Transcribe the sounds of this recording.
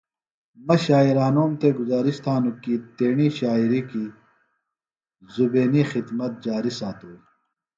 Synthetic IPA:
mɐɕaːiɾaːnoːmt̪eɡuzaːɾiɕt̪ʰaːnukit̪eːɳiɕaːiɾiki | zubeːnixid̪mɐt̪̚d͡ʑaːɾisaːt̪uːi

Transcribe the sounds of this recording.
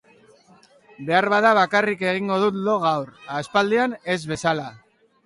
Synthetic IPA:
be̞aɾβaðaβ̞akarike̞ɣ̞iŋɡo̞ðut̪lo̞ɣ̞awɾaːspald̪eane̞zβe̞sala

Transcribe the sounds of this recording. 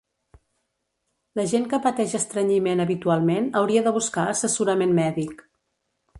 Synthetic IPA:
ləʒeŋkəpət̪ɛʒəst̪ɾəɲimenəβit̪ualˠmenəwɾiəðəβ̞uskaəsəsuɾəmenmɛðik

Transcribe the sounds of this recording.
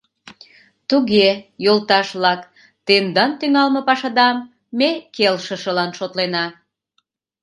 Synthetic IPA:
t̪uɣejolt̪ɑʃβlɑk | t̪end̪ɑnt̪yŋɑlmə̆pɑʃɑd̪ɑmː | ekelʃəʃəlɑnʃot̪lenɑ

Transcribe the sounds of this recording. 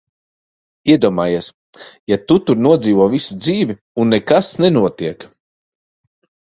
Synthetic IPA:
iɛd̪uɔmaːjiɛs | jat̪ut̪uɾnuɔd̪ziːvuɔvisud̪ziːvʲi | unːɛkasnɛnuɔt̪iɛk

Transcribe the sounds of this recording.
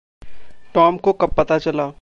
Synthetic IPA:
ʈɔːmkokɐpːɐt̪at͡ʃɐlaː

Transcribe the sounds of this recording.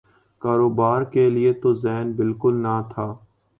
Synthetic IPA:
kaːɾoːbaːɾkelɪet̪ozɛːnbɪlkʊlnat̪ʰaː

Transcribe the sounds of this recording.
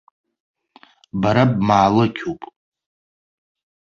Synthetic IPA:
baɾabmaːlɨkʲʰopʼ

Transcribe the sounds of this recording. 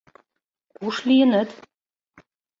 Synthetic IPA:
kuʃlijə̆nət̪

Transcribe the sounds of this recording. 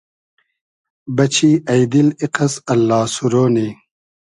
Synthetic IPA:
bɐt͡ɕʰiːɐjd̪iliqɐsɐlːaːsuɾoːni

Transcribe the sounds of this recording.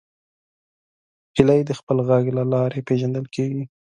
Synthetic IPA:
hɪlajd̪əxpəlɣaɡlalɑɾepeʒand̪əlkʰeɡi

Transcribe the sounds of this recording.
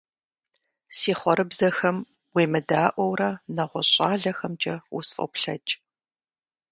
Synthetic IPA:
siːχʷɔɾɨbzɐxɐm | wiːmɨdaːʔʷɔwrɐnɐʁʷɔɕʼaːɮɐxɐmd͡ʒɐwusfʼɐ̰pɬɐ̰t͡ʃʼ

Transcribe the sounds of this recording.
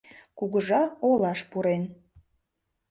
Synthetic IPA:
kuɣəʒɑolɑʃpuɾen

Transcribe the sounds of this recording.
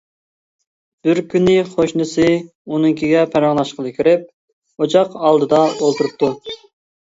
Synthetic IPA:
b̥ɪɾkʲynɪχoʃnɨsɪ | unɨŋkʲʰiɡʲɛpʰæɾɑŋlˠɑʃqəlˠɨkʲʰyɾɪp̚ | ot͡ʃɑqɑlˠd̪ɨd̪ɑolˠt̪uɾup̚t̪ʰːu

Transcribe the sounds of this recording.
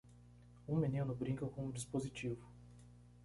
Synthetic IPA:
ũmenĩnʊbɾĩŋkɐkõuʊ̃d͡ʒispozit͡ʃivʊ

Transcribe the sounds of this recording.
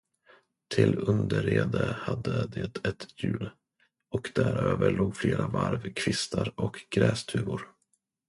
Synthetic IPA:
t̪ʰɪlɵnd̪əɾeːd̪əhad̪ːəd̪et̪ʰɛt̪jʉ̟ːl | ɔkd̪æɾøːvəɭoːɡfleːɾavaɾvkʰvɪst̪aɾɔkɡɾɛːst̪ʰʉ̟ːvʊɾ

